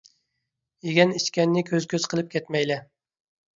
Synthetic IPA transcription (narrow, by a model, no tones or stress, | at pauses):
eɡʲɛniʃkʲɛnːɪkʲʰøzkʲøzqʰəlˠɨp̚kʲʰɛt̪mɛjlɛ